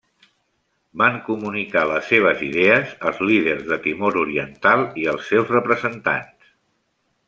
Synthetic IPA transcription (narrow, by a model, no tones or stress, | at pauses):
baŋkumunikaləsːeβ̞əziðɛəzəlˠzliðərzðət̪imoɾuɾiənt̪alˠiəlˠsːewzrəpɾəzənt̪a̰ns